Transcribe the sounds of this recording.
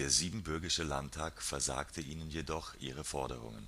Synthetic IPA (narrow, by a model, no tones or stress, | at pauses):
eːɐziːbm̩bʏɐɡɪʃəlantʰːaːkfɛɐza̰ːktʰəʔiːnənjedɔχʔiːʁ̞əfɔɐdə̰ʁ̞ʊ̰ŋə̰n